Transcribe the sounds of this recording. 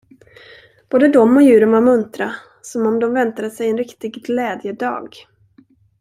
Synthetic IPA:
b̥oːd̪əd̪ɔmːɔjʉ̟ːɾənvaɾmɵnt̪ɾa | sɔmɔmd̪ɔmvɛnt̪ad̪əsɛjɛnɾɪkt̪ɪɡɡlɛːd̪jəd̪ɑ̰ːɡ

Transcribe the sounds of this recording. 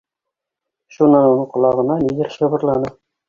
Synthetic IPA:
ʃunːɑnunɤɴqŏlˠɑʁɤ̆nɑnid̪ɘɾɕɤ̆βɤ̆ɾlˠɑnɤ

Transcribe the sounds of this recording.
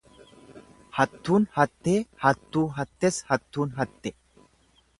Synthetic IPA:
hɐt̪ːuːnhɐt̪ːe̞ːhɐt̪ːuːɦɐt̪ːɛshɐt̪ːuːnɦɐt̪ːɛ

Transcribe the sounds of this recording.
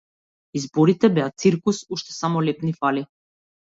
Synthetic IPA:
izbɔɾit̪ɛbɛat̪siɾkusuʃt̪ɛ̥samɔlɛpnifali

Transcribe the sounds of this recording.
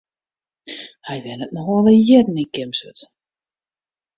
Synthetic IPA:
hɛjʋɛnət̚nɔxɔləjɛdn̩ikɪmsøt

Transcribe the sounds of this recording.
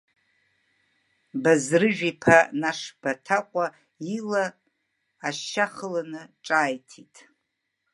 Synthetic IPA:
bazrɨʒᶣipʰanaʂb̥atʰaqʷʼa | ilaː | ʃːaχəlanɨʈ͡ʂʼaːjtʰitʼ

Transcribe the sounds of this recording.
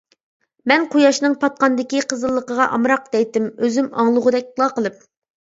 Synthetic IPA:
mɛnqʰojɑʃnɨŋpʰɑt̪̚qɑnd̪ɪkʲiqʰəzəlˠːəqəʁɑʔɑmɾɑq̚d̪ɛjt̪ɪmøzymɑ̰ŋlˠʊʁʊd̪ɛk̚ʲlˠɑqəlˠɨp̚

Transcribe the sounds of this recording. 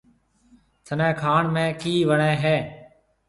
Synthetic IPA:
t̪ʰənɛ̃ːkʰaːɳmẽːkiːʋəɳẽːɦɛː

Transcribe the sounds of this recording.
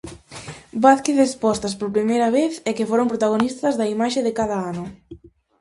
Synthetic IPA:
baθkeθespɔst̪ɐspoɾpɾimejɾɐβeθɛkɪfoɾompɾot̪aɣ̞onist̪ɐzðɐimaʃeðɪkaðɐanʊ

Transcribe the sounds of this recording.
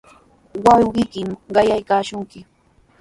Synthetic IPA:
wɑwɢɪkɪmɢɑjajkaːʃʊŋkɪ

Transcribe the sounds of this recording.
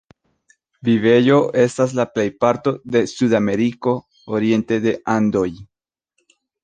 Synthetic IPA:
vive̞jo̞e̞stas̬laple̞jpaɾt̪o̞d̪e̞sudame̞ɾiko̞ | oɾie̞nte̞d̪e̞ʔand̪o̞j

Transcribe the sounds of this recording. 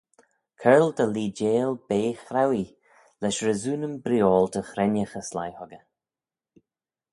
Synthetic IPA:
kʰɛɹld̪əliːd͡ʒeːlbeːxɾawi | lɛʃɾəzuːnəmbɾjoːld̪əxɾɛnəxəsla̰jhɔɡə

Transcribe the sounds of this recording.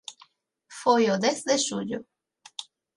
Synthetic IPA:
fojod̪eθðesuʎo

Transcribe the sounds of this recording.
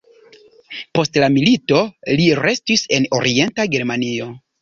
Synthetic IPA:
po̞stlamilito̞liɾe̞stise̞no̞ɾie̞ntaɡe̞ɾmanio̞

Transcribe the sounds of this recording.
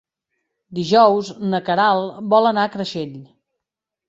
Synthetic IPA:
d̪iʒɔwznəkəɾalˠbɔlənakɾəʃeʎ

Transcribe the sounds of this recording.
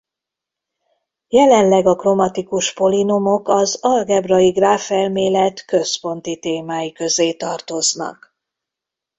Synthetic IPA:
jɛlɛnlɛɡɒkro̞mɒt̪ikuʃpo̞linumo̞kɒzɒlɡɛbrɒiɡraːfɛlmeːlɛt̪kø̞spo̞nt̪it̪eːmaːjikø̞zeːt̪ɒrt̪o̞znɒ̰k

